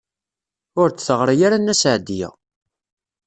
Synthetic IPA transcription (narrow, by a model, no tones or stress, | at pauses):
ʊɾt͡sːθəʁɾˤajaɾanːæsʕd̪ijæ̰